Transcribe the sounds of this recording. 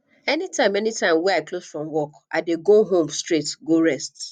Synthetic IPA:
ɛnitãɪ̃mɛnitãɪ̃mwɛaɪklosfɹɔ̃mwɔkʔa̰ɪdeɡoɦõmstɹetɡoɹɛst

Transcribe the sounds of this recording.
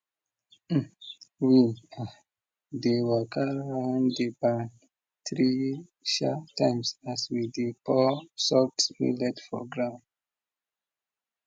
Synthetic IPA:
wina | dewɛkʰaãndebã | tɹi | ʃatãɪmsaswidipɔsɔksmḭlɛtfɔ̰ɡɹãʊ̃n

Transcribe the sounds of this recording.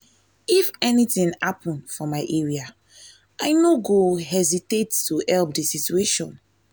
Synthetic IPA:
ifɛnitĩŋhapʰɔ̃nfɔmaɪʔɛɹia | ʔaɪnoɡoɦɛzitetːuhɛlp̚disitueʃɔ̃n

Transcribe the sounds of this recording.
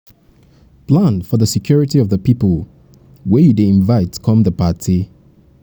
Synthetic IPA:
plãnfɔðəsɪkʰj̥ɔɹɪtiɔvðəpipəlˠ | wɛjudeɪ̃nvaɪtʰːə̥kʰɔ̃mðəpatʰi

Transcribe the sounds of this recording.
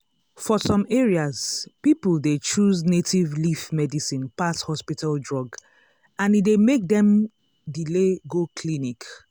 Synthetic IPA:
fɔsɔ̃mɛɹiaz̥pipəldet͡ʃuznetivlifmɛdisĩnpashɔspitaldɹɔɡ | ãnidemek̚dɛ̃m | dileɡokʰlinik

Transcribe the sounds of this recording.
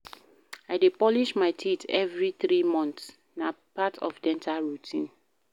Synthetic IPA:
aɪdepɔliʃmaɪtʰitʰɛvɹiθɹimɔ̃nθs | na | patʰɔ̰fdɛ̃ntʰaɹutʰĩn

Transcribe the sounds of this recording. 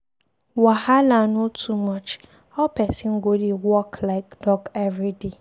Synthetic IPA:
wahalanotʰumɔt͡ʃ | ɔpɛsin̩ɡodiwɔklaɪkd̥ɔɡɛvɾide

